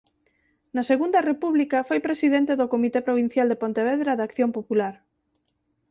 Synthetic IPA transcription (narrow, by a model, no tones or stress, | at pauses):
nɐseɣund̪ɐrepuβlikafojpɾesiðent̪eðokomit̪epɾoβ̞in̟θjald̪epont̪eβ̞eðɾaðakθjompopulaɾ